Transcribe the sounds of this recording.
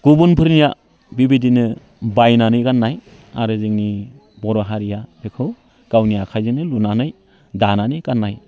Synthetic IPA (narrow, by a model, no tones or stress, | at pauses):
ɡ̥ubunpʰɯɾnija | bibidinɯ | bajnanɯjkanːaj | a̰ɾɯzɯŋni | bɔɾɔɦaɾijabekʰɯw | ɡ̥awnijakʰajzɯnɯlunanɯj | dananikanːaj